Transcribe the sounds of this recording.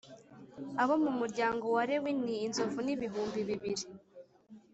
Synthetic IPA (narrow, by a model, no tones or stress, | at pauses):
aβomumuɾɟaːŋɡo̞waɾewiniːnzo̞vuniβiɦuːmbiβiβiɾi